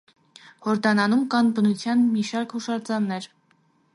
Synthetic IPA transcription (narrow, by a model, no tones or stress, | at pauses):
hɔɾd̪ɑnɑnumkɑnbənut͡sʰjɑnmiʃɑɾkhuʃɑɾd͡zɑnːɛɾ